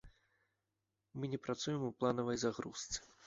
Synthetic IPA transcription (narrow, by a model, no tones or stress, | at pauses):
mɨnʲɛpɾat̪sujɛmuplˠanɐvɐjzaɣɾust̪sɨ̥